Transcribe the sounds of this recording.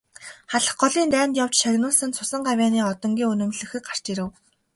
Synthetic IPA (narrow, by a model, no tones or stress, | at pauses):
χaɮə̆χɢɔɮiːnt̪æːnt̪jaw̥t͡ɕʃaɾʲnʊːɮsə̆nt͡sʰʊsə̆ɴɢawʲaːniːɔt̪ɞ̆ŋɡʲiːŋɵnɵ̆mɮɘ̆xɘ̆k̚ɢar̥t͡ɕiɾɘ̆w